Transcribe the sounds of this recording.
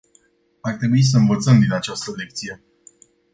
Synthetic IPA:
art̪ɾe̞buis̬əɨnvət̪səmd̪inat͡ʃast̪əle̞k̚t̪sije̞

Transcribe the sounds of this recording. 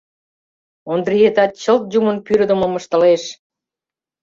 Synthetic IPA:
ond̪riet̪ɑt̪̚t͡ɕəlt̪̚d͡ʑumənpyɾd̪ə̆mə̆mə̆ʃt̪ə̆leʃ

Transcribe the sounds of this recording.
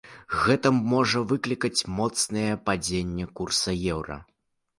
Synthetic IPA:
ɣɛt̪ɐmːɔʐɐvɨklʲikɐt͡sʲmɔt̪snɐjɐpad͡zʲenʲːɛkursɐjɛwɾɐ̰

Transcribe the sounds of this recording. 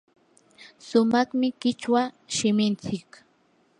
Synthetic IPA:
sʊmɑχmɪkɪt͡ʃwa | ʃɪmɪnt͡sɪk

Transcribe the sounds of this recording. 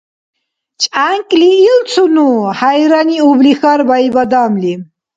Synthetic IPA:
t͡ʃʼaŋkʼliːlt͡sʰunuhajɾaniublixaɾbajbad̪amli

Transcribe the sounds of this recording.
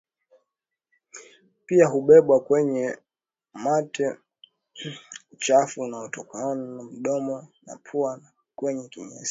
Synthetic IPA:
piaɦuɓɛɓwakwɛɲɛ | matɛ | t͡ʃafunaɔtɔkaɔnm̩ɗɔmɔna̰pʰua | kwɛɲɛkḭɲɛ̰s

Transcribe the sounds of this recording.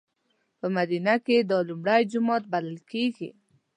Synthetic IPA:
pəmad̪inaked̪ɑlumɽajd͡ʒʊmɑt̪̚baləlkeɡḭ

